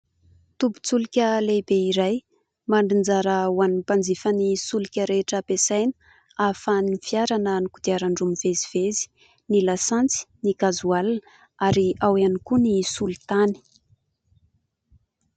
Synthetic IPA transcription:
t̪ubu̥t͡sulikʲəlebeiɾaj | maɳɖ͡ʐind͡zaɾəwanipand͡zifənisulikʲəɾeʈ͡ʂəpesajnə̥ | afanifiaɾanənikud̪iaɾaɳɖ͡ʐumiv̥eziv̥ezi̥ | nilasant͡si̥nikazualin | aɾiawianikunisult̪ani̥

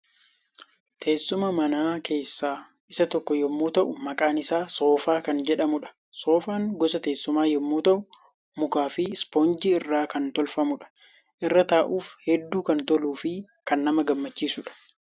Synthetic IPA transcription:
t̪ʰe̞ːsːʊmɐmɐnaːkʰe̞ːsːaː | ɪsɐt̪ɔkːɔjɛmːuːt̪ɐʔʊmɐkʼaːnɪsaːso̞ːfaːkɐnd͡ʒɛᶑɐmʊᶑɐ̥ | so̞ːfaːŋɡɔsɐt̪eːsːʊmaːjɛmːuːt̪ɐʔʊ | mʊkaːfɪspond͡ʒiɪrːaːkɐnt̪ɔlfɐmʊᶑɐ̥ | ʔɪrːɐt̪aːʔuːfhɛd̪ːuːkɐnt̪ɔluːfɪ | kɐnːɐmɐɡɐmːɐt͡ʃːiːsʊᶑɐ̥

